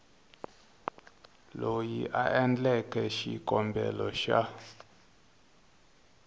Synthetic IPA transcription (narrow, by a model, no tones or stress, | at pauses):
lojiʔaʔɛnd͡ɮɛkʰɛʃikʼɔmbɛ̰lɔʃa